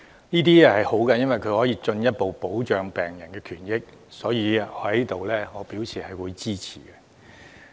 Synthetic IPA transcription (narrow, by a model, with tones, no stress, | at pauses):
niː˥t̪iː˥ɛ˧hɐ˨jho˨˥wkɐ˧jɐ˥nwɐ˨jkʰɵ˨˧ɥhɔː˨˥jiː˨˧t͡ʃɵ˧njɐ˥t̚po˨wpo˨˥wt͡ʃœː˨ŋpɛː˨ŋjɐ˨˩nkɛː˧kʰyː˨˩njɪ˥k̚ | sɔː˨˥jiː˨˧ɔ˧hɐ˨˥˦i˥t̪o˨wlɛː˥ŋɔː˨˧piː˨˥wsʰiː˨˩hɐ˨jwuː˨˧jt͡siː˥t͡sʰḭː˨˩kɛ˧